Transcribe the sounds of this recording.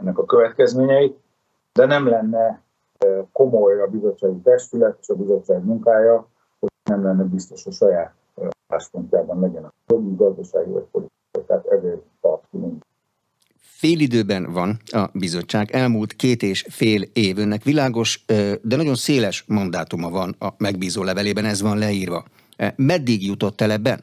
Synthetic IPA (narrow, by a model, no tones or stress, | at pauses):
ɛnːɛkɒkøvɛt̪kɛzmeːɲɛjit̪ | d̪ɛnɛmlɛnːɛ | ko̞mo̞jɒbizo̞t͡ʃːaːɡit̪ɛʃt̪ylɛt̪e̥ːʃɒbizo̞t͡ʃːaːɡmuŋkaːjɒ | honɛmlɛnːɛbist̪o̞ʃhoʃɒjaːt̪ | ɒla̰ːʃpont̪aːbɒnlɛɟɛnɛjoɡiɡɒzd̪ɒʃaːɡḭvɒ̰c̚po̞lit̪ikɒit̪aːt̪ɛzeːpɒt̪t̪uiŋ | feːlid̪øːbɛnvɒnɒbizo̞t͡ʃːaːɡɛlmuːlt̪keːt̪eːʃfeːleːvønːɛkʋilaːɡo̞ʃd̪ɛnɒɟo̞nseːlɛʃmɒnd̪aːt̪umɒvɒnɒmɛɡ̚biːzoːlɛvɛleːbɛnɛzʋɒnlɛiːrvɒ̰ | mɛd̪ːiɡjut̪o̞t̪ːɛlɛbːɛn